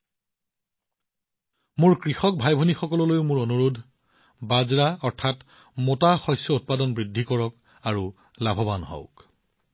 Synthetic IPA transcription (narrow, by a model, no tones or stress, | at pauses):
mʊɹkɹixɔk̚bʱajbʱonixɔkɔlɔlojʊmʊɹonuɹudʱ | bazɹaɔɹtʰat | motaxɔjsjɔut̚padɔnbɹidʱːikɔɹɔk | aɹu | labʱɔbanɦɔ̰ʊk